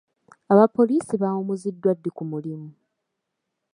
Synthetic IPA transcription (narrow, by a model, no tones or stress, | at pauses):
aβapːo̞liːsiβaomuzidːwadːikumulimu